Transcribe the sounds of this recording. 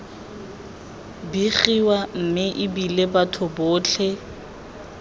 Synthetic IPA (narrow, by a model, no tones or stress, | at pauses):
biɣiwam̩mɪʔɪbilebatʰʊbʊːt͡ɬʰɛ